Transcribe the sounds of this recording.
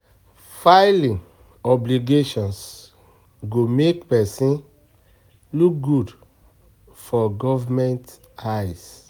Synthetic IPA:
faɪlĩn | ɔbliɡeʃɔ̃ns | ɡomekpɛsĩn | luk̚ɡud | fɔɡɔvamɛ̃nt | ajs

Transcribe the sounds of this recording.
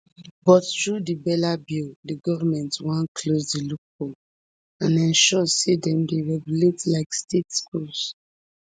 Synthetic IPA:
bɔtɹudibɛlabildiɡɔvamɛ̃ntwãnkʰlosdiluk̚bo | ãnɛ̃nʃɔsedɛ̃mdeɹɛɡjuletlaɪkstetskuls

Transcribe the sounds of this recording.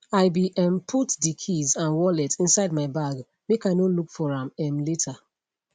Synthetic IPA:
aɪbiʔɛ̃mpʰutdikʰizãnwɔlɛtĩnsaɪd̚maɪbaɡ | mekaɪnolukfɔɹãmɛ̃mletʰa

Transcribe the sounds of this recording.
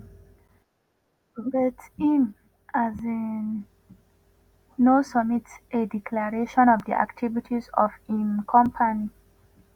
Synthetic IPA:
bɛtĩm | azin | osəmitsedikʰlaɹeʃɔ̃nɔvdḭʔa̰ktʰivitʰizɔ̰vimkʰɔ̃mpʰani

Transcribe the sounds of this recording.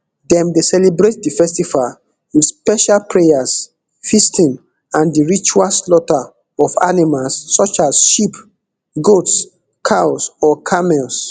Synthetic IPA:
dɛ̃mdesɛlibɹet̚difɛstifal | widspɛʃalpʰɹejas | fistĩn | ãndiɹit͡ʃualslɔta | ɔfa̰nimalsːɔt͡ʃasʃip | ɡots | kʰaʊsɔkʰamɛls

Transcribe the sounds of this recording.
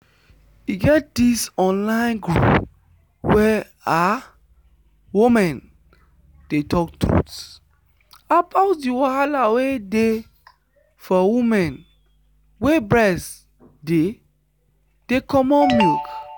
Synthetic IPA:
iɡɛt̚disɔ̃nlãɪ̃nɡɹṵp | wɛ | a | wumɛ̃n | d̥etɔk̚tɹṵts | abaʊt̚diwaalawede | fɔwumɛ̃n | webɹɛs | de | d̥ekʰɔmɔmilk

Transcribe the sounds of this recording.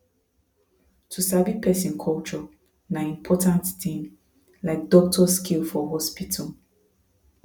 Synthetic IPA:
tʰusabipʰɛsĩnkʰɔlt͡ʃɔ | nãĩmpʰɔtãnttĩn | laɪk̚dɔk̚tʰɔskʰilfɔɦɔspitʰɔl

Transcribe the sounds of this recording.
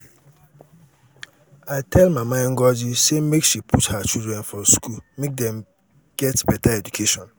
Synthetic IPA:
aɪtʰɛlmamaŋ̩ɡɔd͡ʒisemekʃipʰuthat͡ʃildɹɛ̃nfɔskulmek̚dɛ̃m | ɡ̥ɛtbɛtaɛd͡ʒukʰeʃɔ̃n

